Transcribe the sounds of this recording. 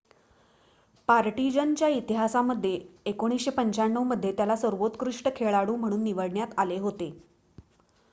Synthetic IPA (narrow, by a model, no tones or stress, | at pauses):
paɾʈid͡ʑənt͡ɕjait̪iɦasaməd̪ʱːjeːkoɽ̃isɕepəɲt͡ɕaɳːəwməd̪ʱjet̪jalasəɾʋot̪kɾuʂʈəkʰeɭaɽuːm̤əɽ̃uːnːiʋəɽɳjat̪aleɦot̪e